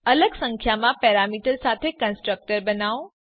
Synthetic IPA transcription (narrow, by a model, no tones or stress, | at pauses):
ələɡsə̃ŋkʰjamãpɛɾamiʈəɾsat̪ʰekə̃nsʈɾək̚ʈəɾbənao